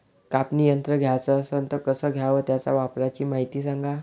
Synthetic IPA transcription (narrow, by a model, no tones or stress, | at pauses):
kapnijənt̪ɾəɡʱjat͡səːsənt̪əɾkəsəːɡʱjaʋəːt̪jat͡sa̰ʋapɾat͡ɕiːmaɦit̪iːsaŋɡa